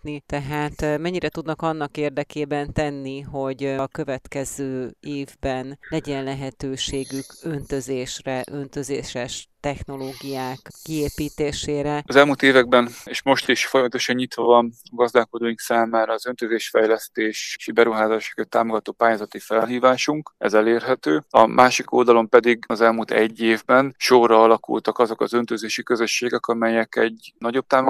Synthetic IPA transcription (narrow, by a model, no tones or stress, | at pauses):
nit̪ɛɦaːt̪mɛɲːiɾɛt̪ud̪nɒkɒnːɒkeːrd̪ɛkeːbɛnt̪ɛnːiɦo̞ɟkø̞vɛt̪kɛzøːeːvbɛnlɛɟɛnlɛɦɛt̪øːʃeːɡykønt̪ø̞zeːʃrɛʔø̞nt̪øzeːʃɛʃt̪ɛxno̞loːɡijaːkːieːpiːt̪eːʃeːɾɛɒzɛlmuːlt̪eːvɛɡ̚bɛneʃmo̞ʃt̪iʃfo̞jɒmɒt̪o̞ʃɒɲɲit̪ʋɒvɒnɒɡɒzd̪aːko̞d̪oːjiŋksaːmaːɾɒːzø̞nt̪øzeːʃfɛjlɛst̪eːʃʃbɛɾuɦaːzaːʃo̥køt̪ːaːmo̞ɡɒt̪oːpaːjaːzɒt̪ifɛlɦiːvaːʃuŋkɛ̰zɛleːrɦɛt̪øːɒ̰mʔaːʃiko̞̰ld̪ɒlo̞mpɛd̪iɡɒzɛlmult̪ɛɟːeːvbɛnʃorːɒɒlɒkṵlt̪ɒkɒzo̞kɒzønt̪øzeːʃikø̞zø̞ʃːeːɡɛkɒmɛjɛkɛɟnɒɟo̞b̚t̪aːmo